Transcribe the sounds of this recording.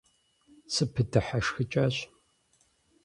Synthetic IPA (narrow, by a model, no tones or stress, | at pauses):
sɨpʰɨdɨħaʂxɨt͡ʃʼɐɕ